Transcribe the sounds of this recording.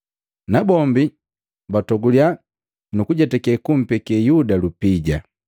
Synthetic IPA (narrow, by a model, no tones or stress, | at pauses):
nabɔmbi | batɔɡulja | nukuɟatɛkɛkum̩pɛkɛjudalupiɟa